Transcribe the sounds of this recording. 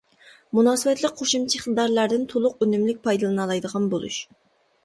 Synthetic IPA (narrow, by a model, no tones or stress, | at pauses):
munɑːsɨbɛt̪lˠɪk̚ʲqʰoʃumt͡ʃʰiɪχt̪ɨd̪ɑɾlˠæɾd̪ɪnt̪ʰolˠʊq̚ønymlɪk̚ʲpʰɑjd̪ɨlˠɨnɨlˠɑjd̪əʁɑnbolˠṵʃ